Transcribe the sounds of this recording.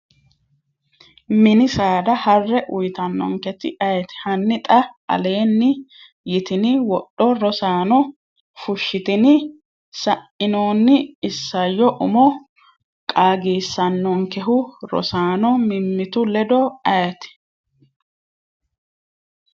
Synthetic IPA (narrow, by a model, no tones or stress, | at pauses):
mɪnɪsaːd̪ɐhɐrːɛʔʊjt̪ɐnːɔ̰ŋkɛt̪ɪ̰ʔɐjɛt̪ɪ̥hɐnːɪt̪ʼɐɐ̰le̞ːnːɪ | jɪt̪ɪnɪwɔɗːɔɾɔsaːnɔ | fʊʃːɪt̪ɪnɪ | sɐʔɪnoːnːɪɪsːɐjːɔʔʊmɔ | kʼaːɡiːsːɐnːɔŋkɛɦʊɾɔ̰saːnɔmɪmːɪt̪ʊlɛd̪ɔɐjɛt̪ɪ̥